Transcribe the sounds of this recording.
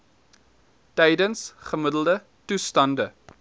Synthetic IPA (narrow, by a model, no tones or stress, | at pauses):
tɛjdənsχəmədəlˠdə | tustɐndə